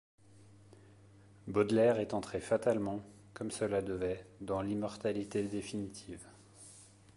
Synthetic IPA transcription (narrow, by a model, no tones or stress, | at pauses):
bɔd̪lɛʁɛt̪ɑ̃t̪χefat̪almɑ̃ | kɔmsəlad̪əvɛd̪ɑ̃limɔʁt̪alit̪ed̪efinit̪ʰiːv